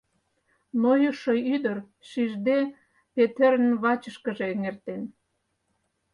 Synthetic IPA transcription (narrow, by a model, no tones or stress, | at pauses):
nojoʃoyd̪ər | ʃiʒd̪e | pet̪eɾənβɑt͡ɕəʃkə̆ʒe̽ːŋert̪en